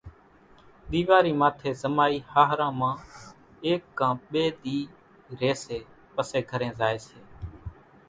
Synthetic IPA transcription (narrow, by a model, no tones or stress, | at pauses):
ɗ̪iːʋaːɾiːmaːt̪ʰeːzəmaːiːhaːɦɾãːmãː | eːkːãːɓeːɗ̪iː | ɾeːseː | pəseːɡʱəɾẽːzaːeːseː